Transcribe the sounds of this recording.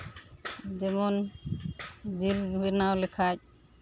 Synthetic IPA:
dɛmɔn | d̪iɾbɛnawlɛkʰac̚

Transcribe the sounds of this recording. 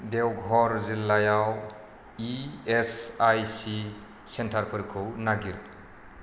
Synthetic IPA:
dewɡʱɔɾzilːajaw | iesajsi | sentʰaɾpʰɯɾkʰɯwnaɡiɾ

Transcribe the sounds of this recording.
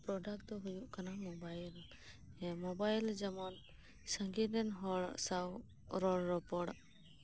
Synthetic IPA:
pɾɔɖakd̪ɔɦujuʔkanamɔbajl | mɔbajld͡ʒɛmɔn | sə̃ŋɡid̪ɛnɦɔʔsaw | ɾɔlɾɔpɔɽ

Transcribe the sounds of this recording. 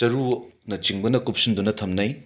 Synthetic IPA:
t͡ʃɐɾunɐt͡ʃiŋbɐnɐkup̚sund̪unɐt̪ʰɐmnɐj

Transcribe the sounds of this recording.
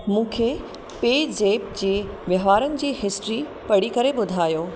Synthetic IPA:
mũːkʰe | peːd͡ʑeːp̚d͡ʑeː | ʋjɐɦʋaːɾənɪ̆d͡ʑiːɦɪsʈɾi | pɐɽikɐɾebʊd̪ʱaːjoː

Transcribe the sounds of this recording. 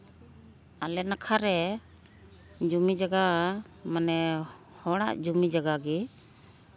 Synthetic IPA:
alɛnakʰaɾɛ | d͡ʒumid͡ʒaɡa | manɛ | hɔɽ̃a̰ʔd͡ʒumid͡ʒaɡaɡɛ

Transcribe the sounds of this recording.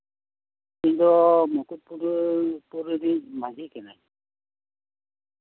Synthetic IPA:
kint̪umɔkut̪̚puɾpuɾɾimad͡ʒʱikɛnaj

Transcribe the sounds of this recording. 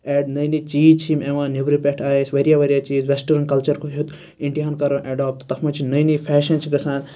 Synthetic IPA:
eːɖnɐjnit͡ʃiːd͡ʒt͡ʃʰimeʋãːnebɾipʲeʈʰaːjesʲʋɐɾijaːʋɐɾijaːt͡ʃiːzʋesʈɐɾɐnkɐlt͡ʃɐɾkʰoɦut̪ | ĩɳɖijaːnkɐɾõːʔeɖaːp̚t̪t̪ɐfʰmɐ̃t͡ʃʰinɐjnifʰɛːʃɐnt͡ʃʰiɡɐsãːn

